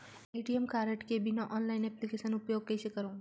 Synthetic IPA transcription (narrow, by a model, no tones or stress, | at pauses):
ejʈijemkaːɾeʈkebʱɪnaʔɔːnlaːɪnɛplikeːʃənʊpjoːɡ̚keʃekɐɾõː